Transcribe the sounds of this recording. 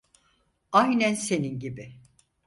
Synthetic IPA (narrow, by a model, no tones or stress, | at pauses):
ajnænse̞ninɟibɪ